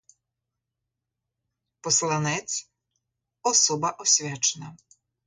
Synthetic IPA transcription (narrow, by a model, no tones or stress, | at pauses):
pɔslˠanɛt̪sʲ | ɔsɔbɐʔɔsʲʋʲat͡ʃɛnɐ